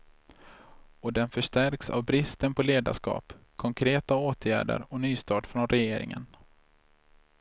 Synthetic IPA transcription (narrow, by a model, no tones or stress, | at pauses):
ɔd̪ɛnfœʂʈæɾksa̰vbɾɪst̪ənpʰɔleːd̪a̰ʂkɑ̰ːpkʰɔŋkʰɾeːt̪aoːt̪ʰjæːɖə̰ɾɔnyːst̪ɑːɖfɾɔnɾɛjeːɾɪ̰ŋə̰n